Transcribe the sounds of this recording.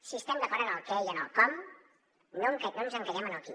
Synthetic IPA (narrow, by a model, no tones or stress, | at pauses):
siəst̪ɛmd̪əkɔɾənəlˠkɛejənəlˠkɔm | noŋkɛnonzəŋkaɾɛmənəlˠkḭ